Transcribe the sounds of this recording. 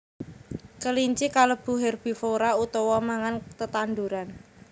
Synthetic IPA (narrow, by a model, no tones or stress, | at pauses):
kəliɲt͡ʃikaləb̥ṳɦɛrb̥i̤foɾaut̪ɔwɔmaŋant̪ət̪and̪uɾan